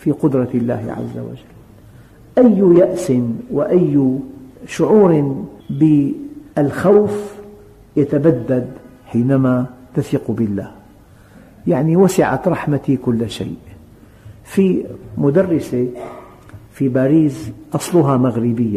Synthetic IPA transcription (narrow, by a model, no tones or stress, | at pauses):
fiqʊd̪ɾˤɑlːa̰ːhɪ̰ʕa̰zːa̰wa̰d͡ʒalːlː | ʔajːjaʔsɪnwɪʔajː | ʃʊʕuːɾɪbɪʔalxawf | jat̪abad̪ːad̪ | ħiːnamat̪aθiːqubɪlːa̰ːh | jaʕniwasɪʕa̰t̪ɾˤɑħmat̪ikʊlːʃa̰jʔ | fimʊd̪ɑrˤːɪse | fibaːɾiːzʔɑsˤlʊɦamaɣɾɪbɪjːa